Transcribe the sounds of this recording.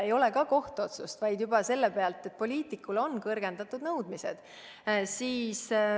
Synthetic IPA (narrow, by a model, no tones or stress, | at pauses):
ejo̞le̞kɑko̞ht̪uo̞t̪sust̪vɑjd̪̥jubɑse̞lːepe̞ɑlt̪ːˑet̪̚ːˑpo̞lʲiːt̪ˑikːˑulo̞nkɤrɡ̥e̞nd̪̥ɑt̪ːˑud̪nɤwd̪̥mise̞̰d̪̥ | siːs